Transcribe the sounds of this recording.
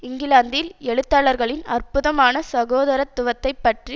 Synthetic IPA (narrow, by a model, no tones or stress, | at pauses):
ɪŋɡɪlaːnd̪ɪlɛɻɯt̪ːaːɭɐɾɣɐɭɪnɐrpʊðɐmaːnɐsɐɣoːðɐɾɐt̪ːʊʋɐt̪ːɐɪpːɐʈri